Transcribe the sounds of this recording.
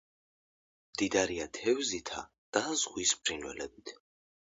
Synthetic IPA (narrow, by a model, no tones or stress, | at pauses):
md̪id̪aɾiat̪ʰɛwzit̪ʰa̰ | d̪̥azʁwispʰɾinwɛ̰lɛbit̪ʰ